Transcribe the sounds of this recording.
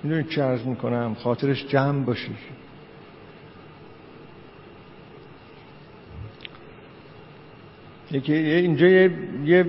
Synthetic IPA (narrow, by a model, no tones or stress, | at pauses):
mid̪unid̪̚t͡ʃʰeæɾzmiːkʰonæmxɒːt̪ʰeɾeʃd͡ʒæmbɒːʃi | jekʰijeind͡ʒɒːjeje